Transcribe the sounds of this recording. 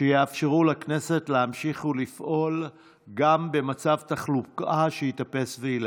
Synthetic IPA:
ʃejeafʃeʁulakne̞se̞tlehamʃiχulifʔo̞l | ɡambe̞mat͡savt̪aχlukaʃehit̪ape̞sveile

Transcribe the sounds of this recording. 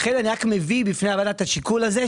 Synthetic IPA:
χedaniʁakme̞vibifneavad̪at̪aʃikulaze

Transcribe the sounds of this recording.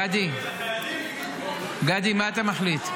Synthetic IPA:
ad̪i | ɡad̪imaːt̪amaχlit̪

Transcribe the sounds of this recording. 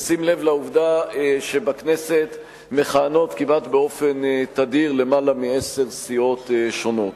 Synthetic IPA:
simle̞vlauvdaʃebakne̞se̞t̪ | me̞χaːno̞t̪kimʔat̪beo̞fe̞nt̪ad̪iʁle̞malamiese̞ʁsio̞t̪ʃo̞no̞t̪

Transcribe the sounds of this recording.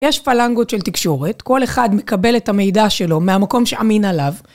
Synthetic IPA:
jeʃfalaŋɡo̞tʃe̞lt̪ikʃo̞ʁe̞tko̞le̞χadme̞kabe̞lethame̞jdaʃe̞lo̞meamako̞mʃe̞ʔaminalav

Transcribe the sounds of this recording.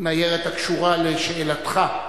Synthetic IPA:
najeʁet̪akʃuʁaleʃeelat̪χa

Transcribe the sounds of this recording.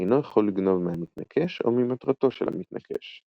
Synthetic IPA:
ejnojaχolːiɡno̞vmeamit̪nakʰeʃo̞̰mimat̪ʁat̪o̞ʃelha̰mit̪na̰kʰe̞̰ʃ

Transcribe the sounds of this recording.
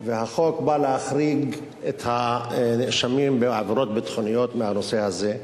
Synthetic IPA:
vehaχo̞kbaleaχɾiɡ | et̪haneʃamimbeʕaveɾo̞t̪̚bet̪χonijo̞t̪mehano̞se̞haze

